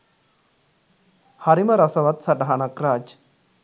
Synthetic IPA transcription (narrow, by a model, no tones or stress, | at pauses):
hɐɾimɐɾɐsɐʋɐt̪sɐʈɦanɐkɾaːd͡ʒ